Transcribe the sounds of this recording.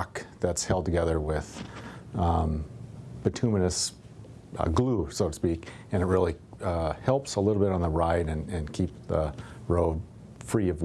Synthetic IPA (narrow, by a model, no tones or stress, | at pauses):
kðɨtshɛlˠd̚tʰɨɡɛðə˞wɪð̥̃ | b̥ɨtʰʉmɨnɨs | ɡlusoʊɾɨspik | ɨ̃nɨt̚ɹɪlˠi | ʌhɛlˠpsəlɪɾl̩ˠbɪɾn̩ðəɹaɪɾɨ̃nɨ̃nkʰip̚ðəɹoʊd̥̚ | fɹiʌv